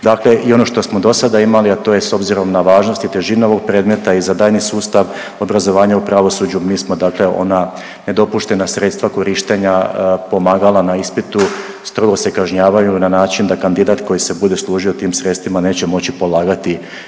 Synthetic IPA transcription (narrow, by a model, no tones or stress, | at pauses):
d̪akle̞ʔio̞no̞ʃt̪o̞smo̞d̪o̞sad̪aimaliat̪o̞jeso̞bziɾo̞mnaʋaːʒno̞st̪it̪e̞ʒineo̞ʋo̞ɡ̚pɾeːd̪me̞t̪aizad̪aːjnisuːst̪aʋ | o̞bɾazo̞ʋaːɲaupɾaʋo̞sud͡ʑumiːsmo̞d̪aːkle̞o̞̰na | ne̞d̪o̞puʃt̪e̞nasɾet̪st̪ʋako̞ɾiʃt̪e̞ɲapo̞maːɡalˠanaispit̪u | st̪ɾo̞ɡo̞sekaʒɲaːʋajunanaːt͡ʃind̪akand̪id̪at̪ko̞jise̞bud̪eslˠuːʒiot̪iːmsɾet̪st̪ʋimane̞ːt͡ɕe̞mo̞t͡ɕipo̞lˠaːɡat̪i